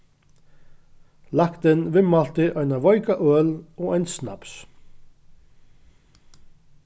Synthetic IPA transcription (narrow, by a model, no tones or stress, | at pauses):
lakt̪ənʋɪmalt̪ɪʔœjnaʋɔʏkaʔøːlɔːɛjnsna̰ps